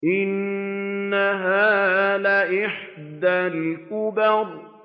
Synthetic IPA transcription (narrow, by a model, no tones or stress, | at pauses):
ʔɪnː | aɦaːlaʔɪħd̪alkʊbaɾˤ